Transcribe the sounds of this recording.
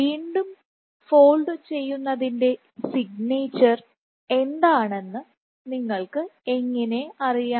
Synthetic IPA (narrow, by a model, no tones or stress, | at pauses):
iːɳɖum | fo̞ːɭɖɨt͡ɕe̞jːunːɐðinde̞ | siɡneːt͡ɕːɐr | e̞nd̪aːɳe̞nːɨ | niŋːɐɭkɨe̞ŋːɐne̞ɐrijaː